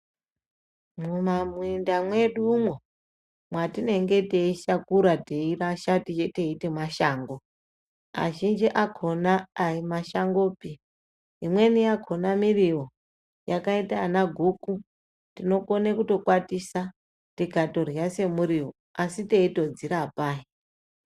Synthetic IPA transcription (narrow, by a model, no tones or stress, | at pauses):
mumamwindamwe̞ɗumwo | mwatine̞ŋɡe̞teiʃakuɾateiraʃatit͡ʃeteitimwaʃaːŋɡo | a̰ʒind͡ʒiʔakʰo̞naːimaʃaŋɡo̞ːpiː | mwe̞nijakʰonamiriwo | jakaitaːnaɡʱuku | tino̞konekuto̞kwatisa | tikato̞rjase̞muɾiwo | asiteito̞d͡ziɾaːpaːi